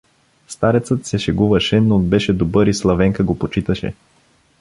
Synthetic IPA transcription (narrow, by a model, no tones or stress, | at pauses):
st̪aɾɛt̪sət̪sɛʃɛɡuvɐʃɛnoːd̪bɛʃɛd̪obɤɾislˠɐvɛŋkəɡopot͡ʃit̪əʃɛ̰